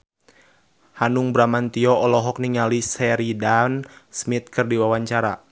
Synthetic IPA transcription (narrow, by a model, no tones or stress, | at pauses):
hanuŋbɾamant̪iɔɔlɔɦɔk̚niŋalisɛɾidansmit̪̚kɨrdiwawaɲt͡ʃaɾa̰